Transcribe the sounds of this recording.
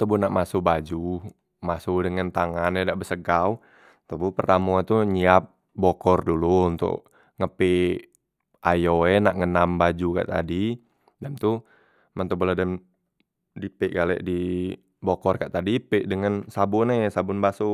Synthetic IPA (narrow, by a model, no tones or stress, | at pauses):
t̪əbunaʔmasubad͡ʒu | masudəŋant̪aŋanɛdaʔbəsəɡaw | t̪əbupərt̪amɔat̪uɲiap̚ | bɔkɔrdulunt̪ʊ̰ʔ | ŋəpi | ʔajoɛnaʔŋənambad͡ʒuka̰ʔt̪a̰di | dɛmt̪u | mant̪ubuladɛm | dipɛʔɡalɛ̰ʔdi | bɔkɔrka̰ʔt̪adipɛʔdəŋansabʊnɛsabʊnbasu